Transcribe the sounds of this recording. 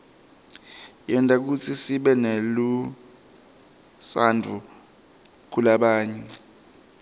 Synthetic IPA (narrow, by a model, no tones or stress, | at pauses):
jɛntʼak̬ut͡sʰisiɓɛnelu | sandʱu | kʰulaɓaːɲɛ